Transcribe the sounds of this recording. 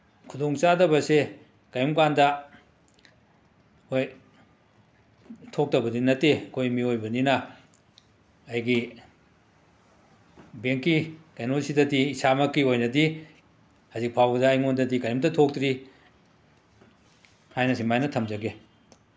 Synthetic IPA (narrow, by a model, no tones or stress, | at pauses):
kʰudoŋt͡ʃadɐbɐse | kɐjumkandɐ | oj | tʰok̚tɐbɐdinɐtːeɐkʰojmiojbɐninɐ | jɡi | beŋkːikajnosidɐdiːsamɐkːiojnɐdi | hɐzik̚pʰawbɐdɐːjŋondɐdikɐjumdɐtʰok̚tɾi | hajnɐsimajnɐtʰɐmd͡ʒɐɡe